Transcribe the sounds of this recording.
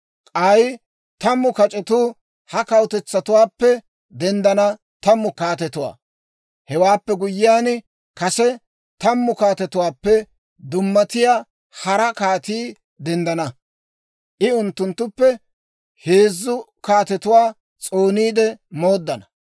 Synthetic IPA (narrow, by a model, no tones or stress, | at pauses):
kʼɐj | t̪ɐmːʊkɐt͡ʃʼɛt̪uː | hɐkɐwt̪ɛt͡sːɐt̪ʊwaːpːɛ | d̪ɛnd̪ɐnɐ | t̪ɐmːʊkaːt̪ɛt̪ʊwa̰ː | hɛwaːpːɛɡʊjːɪjaːn | kɐsɛ | t̪ɐmːʊkaːt̪ɛt̪ʊwaːpːɛ | d̪ʊmːɐt̪ɪjaː | hɐɾɐkaːt̪iː | d̪ɛnd̪ɐnɐ | ʔɪʊnt̪ːʊnt̪ːʊpːɛ | heːzːʊkaːt̪ɛt̪ʊwaː | t͡sʼoːniːd̪ɛmoːd̪ːɐnɐ